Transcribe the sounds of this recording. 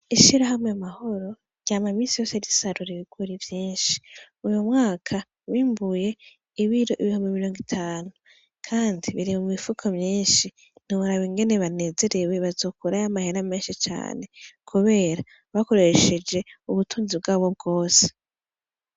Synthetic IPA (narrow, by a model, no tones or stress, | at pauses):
iʃiɾaɦamŋeamaho̞ɾo̞ | ɾjaːmamiːsijo̞seɾisaɾuɾiβiɡ̥wuɾivjiːnʃi̥ | ujomŋaːkʰa | βiːmbuje̞ | iβiɾo̞ʔiβihumbimiɾo̞ːŋɡitʰaːnu | kʰaːndiβiɾimumŋifukʰomɲiːnʃi | niβaɾaβiŋɡe̞neβane̞ːze̞ɾe̞we̞βazo̞ːkuɾajamaheɾame̞ːnʃit͡ʃa̰ːne̞kʰuβe̞ːɾa | βako̞ɾe̞ʃe̞d͡ʒe̞uβutuːnzib̚ɡaːβo̞b̚ɡo̞ːse̥